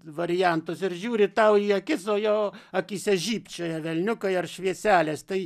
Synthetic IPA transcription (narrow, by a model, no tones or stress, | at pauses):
ʋɐɾʲɪjænt̪ʊsɪɾʒʲuːɾʲɪt̪ɐʊiːɐkʲɪsoːjoːɐkʲisʲɛʒʲiːpʲt͡ʃʲoːjɛʋʲɛlʲnʲʊkɐɪɐrʃʲʋʲiɛsʲæːlʲeːst̪ɐɪ